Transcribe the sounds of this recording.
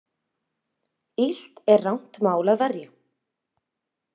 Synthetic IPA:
il̥t̪ɛɾːawn̥t̪maːwlaðvɛɾja

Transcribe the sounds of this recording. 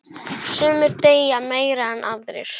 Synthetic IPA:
sœːmʏɾ̥t̪eːjameːjɾaɛnʔavðɾɪ̰ɾ̥

